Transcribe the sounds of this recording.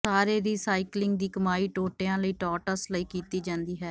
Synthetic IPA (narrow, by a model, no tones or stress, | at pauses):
saːɾeːɾiːsaːɪklɪ̃ŋɡd̪iːkəmaːiːʈoːʈejãːləiːʈɔːʈəsləiːkiːt̪iːd͡ʒãːnd̪iːɦɛː